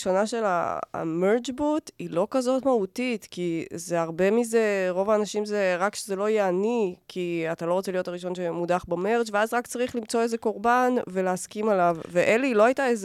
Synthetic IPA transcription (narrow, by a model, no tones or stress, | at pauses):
ʃo̞naʃe̞la̰meʁd͡ʒbutilo̞kazo̞tmahutitkizeaʁbe̞mize̞ʁo̞vaːnaʃimzeʁakʃezelo̞jeanikʰiatalo̞ʁot͡selijo̞taʁiʃo̞nʃemudaχbame̞ʁt͡ʃveazʁakt͡saʁiχlimt͡so̞e̞ze̞ko̞ʁbanve̞leaskimalavveʔelilo̞ajtaez